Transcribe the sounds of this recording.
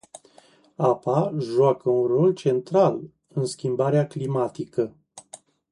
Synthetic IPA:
apaʒuakəunro̞lt͡ʃe̞nt̪ɾal | ɨnskʲimbaɾeaklimat̪ikə

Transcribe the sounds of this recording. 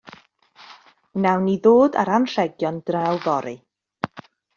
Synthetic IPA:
nawniðoːda̰ɾanr̥ɛɡjɔnd̥rawvɔɾɨ

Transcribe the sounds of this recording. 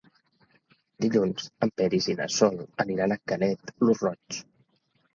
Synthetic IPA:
d̪iʎunz̥əmpɛɾiziðə̰sɔlˠəniɾanəkənɛt̪luzrɔs

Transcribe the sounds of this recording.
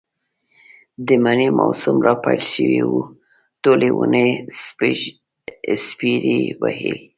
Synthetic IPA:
d̪əmanemasʊmɾɑpalʃəwiwu | t̪olewune | spiɾiwahil

